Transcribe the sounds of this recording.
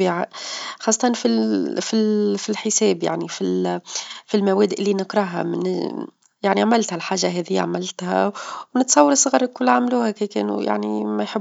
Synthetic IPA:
ʕxɑsˤːɑt̪ˤɑnfifilfilħɪsɛːbja̰ʕnifil | filmæwæːd̪ʔlːinɪkɾˤɑɦa̰mn̰ | jaʕniʕamɪlt̪hælħaːʒːaɦɛːðɪjːa̰ʕamɪlt̪hæ̰wnɪt̪sˤɑwːɑɾˤsˤɣɑːɾˤkʊlːʕamluːhækekɛ̰ːnṵja̰ʕnimæjħɪb

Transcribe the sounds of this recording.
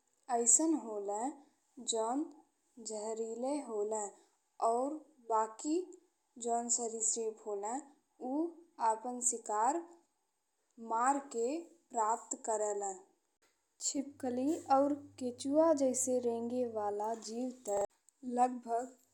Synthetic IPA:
əɪsənɦoːlẽ | d͡ʒɔːn | d͡ʒəɦɾiːleɦoːlɛ̃ | ɔːɾ | baːki | d͡ʒɔːnsəɾiseːpɦoːlɛ̃ | uaːpənsɪkaːɾ | maːɾkepɾaːp̚t̪kəɾəlɛ̃ː | t͡ʃʰɪp̚kəliɔːɾkeːt͡ʃuad͡ʒəɪseɾẽːŋɡeʋaːlad͡ʒiːwt̪ə | ləɡ̚bʱəɡ

